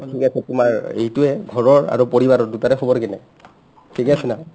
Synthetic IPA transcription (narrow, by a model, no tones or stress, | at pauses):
tʰikɛasɛtʊmaɹḛhtʊɛɡʱɔɹɔɹa̰ɹopoɹibaɹɔɹdutaɹɛxobɔɹkɛnɛ̰ | tʰikɛasɛna